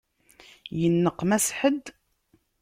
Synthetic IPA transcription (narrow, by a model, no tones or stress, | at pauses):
jənːəqːmæsħəd̪